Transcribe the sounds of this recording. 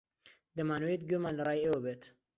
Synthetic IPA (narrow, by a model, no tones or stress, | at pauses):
d̪ɐmaːnwejt̪̚ɡomaːnlɐrˤɑːjewəbeːt̪